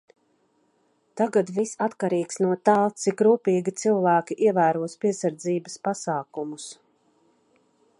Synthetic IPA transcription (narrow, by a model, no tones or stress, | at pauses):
t̪aɡad̪visat̪kaɾiːksnuɔt̪alˠsikɾuːpiːɡit̪silˠvæːkʲiʔiɛvæːɾuɔspiɛsaɾd̪ziːbɐspasaːkumus